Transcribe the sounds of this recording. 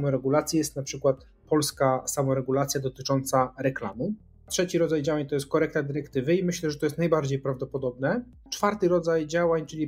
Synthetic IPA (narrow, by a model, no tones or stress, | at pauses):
mɔɾɛɡulat̪sʲjijɛst̪napʂɘkwat̪ | pɔlskasamɔɾɛɡulat̪sʲjad̪ɔt̪ɘt͡ʂɔnt̪saɾɛkla̰mu | tʂɛt͡ɕiɾɔd̪zajd͡ʑawaɲt̪ɔjɛst̪̚kɔɾɛk̚t̪ad̪ɘɾɛkt̪ɘvɘimɘɕlɛʐɛt̪ɔjɛst̪najbaɾd͡ʑejpɾavd̪ɔpɔd̪ɔbnɛ | t͡ʂfaɾt̪ɘɾɔd̪zajd͡ʑawaɲt͡ʂɘlʲi